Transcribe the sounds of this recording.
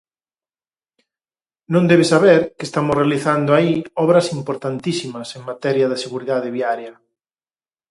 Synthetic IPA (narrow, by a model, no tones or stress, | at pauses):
nõnd̪eβesaβɛɾkɪest̪amʊsrealiθand̪oaiɔβɾɐsimpoɾt̪ant̪isimɐseŋmat̪ɛɾjɐðɪseɣuɾiðaðɪβjaɾjɐ